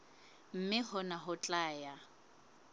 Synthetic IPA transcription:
m̩mɪhʊnaɦʊt͡ɬʼaːja

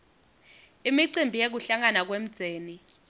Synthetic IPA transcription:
imiǀimbʱijek̬uɬaŋanak̬wem̩d̥z̥ʱeːni

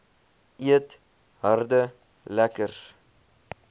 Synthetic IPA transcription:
ʔiət | ɦərdə | lækər

